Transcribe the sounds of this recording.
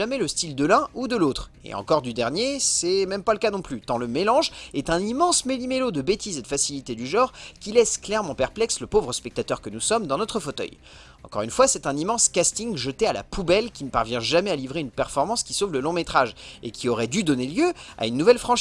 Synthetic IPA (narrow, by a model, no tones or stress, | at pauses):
amɛləst̪ild̪əlɛ̃ud̪əlot̪χ | ḛɑ̰̃kɔʁd̪yd̪ɛʁnjesɛmɛmpaləkanɔ̃plyt̪ɑ̃ləmelɑ̃ʒɛt̪ɛ̃nimɑ̃smelimelod̪əbet̪ized̪əfasilit̪ed̪yʒɑ̃ʁkʲilɛsklɛʁmɑ̃pɛʁplɛksləpovʁəspɛk̚t̪at̪œʁkənusɔmd̪ɑ̃nɔt̪χəfot̪œ̰j | ɑ̰̃kɔ̰ʁynfwasɛt̪ɛ̃nimɑ̃skʲast̪iŋʒət̪eala̰pubɛlkʲinəpaʁvjɛ̃ʒamɛalivʁeynpɛʁfɔʁmɑ̃skʲisovləlɔ̃met̪χaʒḛkʲiɔʁɛd̪yd̪ɔneljøa̰ynːuvɛlfχɑ̃ʃ